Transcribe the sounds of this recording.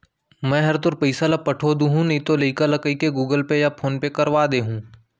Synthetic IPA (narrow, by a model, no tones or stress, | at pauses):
mɛ̃ːɦɐɾt̪ʊɾpəɪsalapɐʈʰoːd̪ũɦũnɐĩt̪olɐikalɐkəikeɡuːɡəlpejapʰoːnpekɐɾʋaːd̪eːɦũː